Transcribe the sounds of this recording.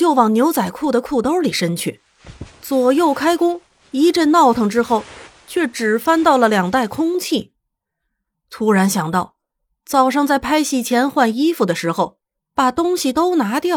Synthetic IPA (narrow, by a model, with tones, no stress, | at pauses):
jo˥˩ʊwɑ˨˩ŋnjo˧˥ʊt͡sa˨˩ɪkʰu˥˩d̪ə˩kʰu˥˩t̪o˥li˨˩ʂə˥nt͡ɕʰy˥˩ | t͡swɔ˨˩jo˥˩ʊkʰa˥ɪkʊ˥ŋ | i˧˥ʈ͡ʂə˥˧nnɑ˥˩ʊt̪ʰɤ˥˩ŋʈ͡ʂɻ̩˥xo˥˩ʊ | t͡ɕʰɥɛ˥˩ʈ͡ʂɻ̩˨˩fa˥nt̪ɑ˥˩ʊlə˩ljɑ˨˩ŋt̪a˥˩ɪkʰʊ˥ŋt͡ɕʰi˥˩ | t̪ʰu˥ɻa˧˥nɕjɑ˨˩ŋt̪ɑ˥˩ʊ | t͡sɑ˨˩ʊʂɑ˥˧ŋt͡sa˥˩ɪpʰa˥ɪɕi˧˥˩t͡ɕʰjɛ˧˥nxwa˥˩ni˥fu˨˩d̪ə˩ʂɻ̩˧˥xo˧˩ʊ | pa˨˩t̪ʊ˥ŋɕi˨˩t̪o˥ʊna˧˥t̪jɑ˥˩